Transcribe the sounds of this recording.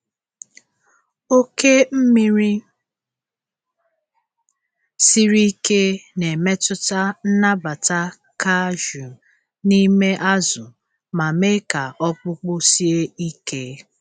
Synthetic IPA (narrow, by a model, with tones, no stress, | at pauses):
o˦ke˦m̩˦mi˦ɾi˦ | si˦ɾi˦ke˦ne˨me˦tʊ˦ta˦n̩˦na˦ba˨ta˦ | ka˦ʒu˨ | ni˦me˦ʔa˦zʊ˨ | ma˨me˦ka˨ɔ˦k͡pʊ˦k͡pʊ˦si˦e˦i˦ke˦